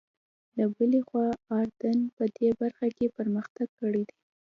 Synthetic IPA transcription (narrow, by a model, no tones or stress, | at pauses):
labəlexwɑɑɾd̪anpəd̪ebaɾxakepəɾməxt̪aɡ̚kəɽid̪i